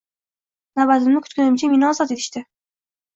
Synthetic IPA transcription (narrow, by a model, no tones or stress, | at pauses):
nabat̪ɪmnɪkʰʊ̥t̪̚kʰʲʊnɪmt͡ʃʰɪmenɒzɒt̪et̪ʰɪ̥ʃt̪ɪ